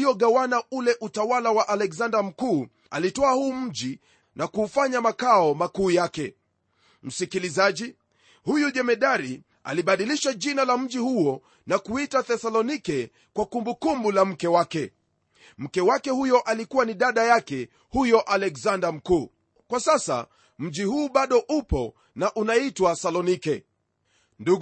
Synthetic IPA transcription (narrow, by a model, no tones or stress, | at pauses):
iɔɠawanaulɛʔutawalawaʔalɛkzandam̩kuː | a̰litɔahuːm̩ʄi | nʔakuːfaɲamakaɔmakuːjakɛ | m̩sikilizaʄi | hujuʄɛmɛɗaɾi | a̰liɓaɗiliʃaʄinalam̩ʄihuɔ | nakuitaθɛsalɔnikɛ | kwakumbukumbulam̩kɛwakɛ | m̩kɛwakɛhujɔʔalikuwaniɗaɗajakɛ | hujɔʔalɛkzandam̩kuː | kwasasa̰ | m̩ʄihuːɓaɗɔʔupɔ | naʔunaitwasalɔnikɛ | ndu